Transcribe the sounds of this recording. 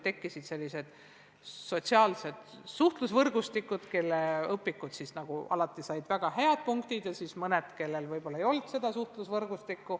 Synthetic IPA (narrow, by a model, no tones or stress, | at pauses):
t̪e̞kːisid̪̥selʲːise̞d̪̥ | so̞t̪siɑːlse̞d̪suht̪lusvɤrɡ̥ust̪ikːˑud̪̥ke̞lːeɤpːˑikːˑud̪̥sisnɑɡ̥uɑ̰lɑt̪ˑːisɑjd̪væɡ̥ɑheɑd̪̥̚puŋkt̪id̪̥jɑsismɤned̪ke̞lːe̞lvɤjbo̞lːɑejo̞lt̪se̞d̪̥ɑsuht̪lusvɤrɡ̥ust̪ikːu